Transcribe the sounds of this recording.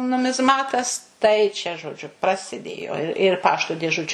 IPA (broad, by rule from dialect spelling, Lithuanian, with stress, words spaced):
nʊmʲɪzˈmɑːtɐs tɐɪ t͡ʃʲɛ ʒoːˈd͡ʒʲʊ prɐsʲɪˈdʲeːjoː ɪr ˈpɑːʃtoː dʲeːˈʒʊt͡ʃʲʊ